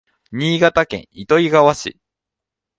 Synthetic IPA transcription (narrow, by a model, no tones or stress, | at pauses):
ɲ̟iːɡat̪akẽ̞̰ɰ̃it̪o̞iɡaβaɕḭ